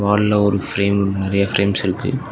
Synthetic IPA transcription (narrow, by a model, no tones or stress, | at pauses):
ʋaːllɐɔɾɯfɾeːmnɪɾɐjɐfɾeːmsɪɾɯkːɯ̰